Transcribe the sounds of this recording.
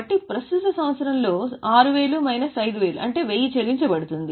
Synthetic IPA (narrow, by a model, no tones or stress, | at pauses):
ɐʈːipɾɐst̪ut̪ɐsɐ̃mʋɐt̪sɐɾɐmlo̞ːaːɾuʋe̞ːɭumɐjnɐsɐjd̪ʋe̞ːluʔɐ̰ɳʈe̞ːʋejit͡ʃeliɲt͡ʃɐbɐɽut̪und̪i